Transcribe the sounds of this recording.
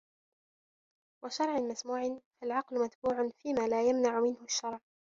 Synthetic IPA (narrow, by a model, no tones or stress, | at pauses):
wʔaʃɑɾˤʕɪmasmuːʕɪnfalʕɑqlʊmat̪buːʕʊnfiːmaːlaːjamnaʕʊmɪnhʊʃːɑɾˤʕ